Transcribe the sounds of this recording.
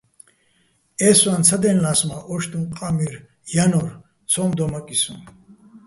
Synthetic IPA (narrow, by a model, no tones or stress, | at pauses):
ɛswant͡sʰad̪ɛnlasmaʔɔʃt̪ʼunqʼamiɾ | janɔɾ | t͡sʰɔmd̪ɔmakʼisṵn